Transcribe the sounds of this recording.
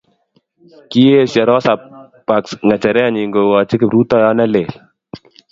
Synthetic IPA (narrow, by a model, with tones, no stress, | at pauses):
ki˦je˦sja˨ɾɔ˦sa˨ | pa˨ksŋa˨t͡ʃɛ˨ɾɛ˦a˨ɲi˨ŋɡo˨wɔ˨t͡ʃi˦kɪ˨ɾu˦tɔ˦jɔ˦nɛ˦le˨l